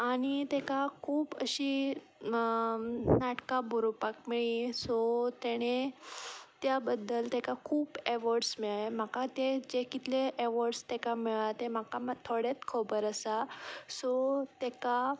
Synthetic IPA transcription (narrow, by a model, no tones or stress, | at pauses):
aɽ̃it̪ekakʰuːbə̰ɕi | naʈkaboɾopakmiɭĩsɔt̪eɽ̃e | t̪jabəd̪ːəlt̪ekakʰuːbeʋɔɾɖsmiɭem̤akat̪ed͡ʑekit̪leʔeʋɔɾɖst̪ekamiɭat̪em̤akamt̪ʰoɽet͡s̪kʰobəɾəsasɔt̪eka